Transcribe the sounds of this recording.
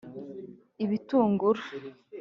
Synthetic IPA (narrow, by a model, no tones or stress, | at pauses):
iβituːŋɡuɾḁ